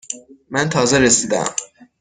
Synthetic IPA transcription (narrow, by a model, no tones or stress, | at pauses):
mænt̪ʰɒːzɛɾesiːd̪æ̰m